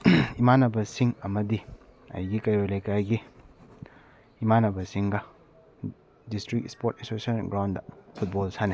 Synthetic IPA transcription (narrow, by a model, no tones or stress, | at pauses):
imanɐbɐsiŋɐmɐdi | ɐ̰jɡikɐjojlɐjkajɡi | manɐbɐsiŋɡɐ | distɾik̚spoɾtinsosɔnɡɾawndɐpʰut̚bolsʰane